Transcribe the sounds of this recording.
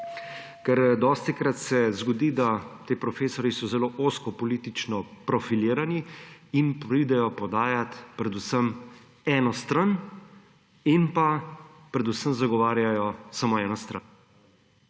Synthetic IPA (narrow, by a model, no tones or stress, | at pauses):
kɛɾd̪ɔːst̪ikɾat̪sɛzɡɔd̪iːd̪at̪eːpɾɔfeːsɔɾjisɔzɛloːʔoːskɔpɔliːt̪it͡ʃnɔpɾɔfiliːɾaniinpɾid̪ɛjɔpɔd̪aːjat̪pɾɛd̪usəm | ɛːnɔst̪ɾan | inpa | pɾɛd̪usəmzaɡɔʋaːɾjajɔsamoɛːnɔst̪ɾa̰n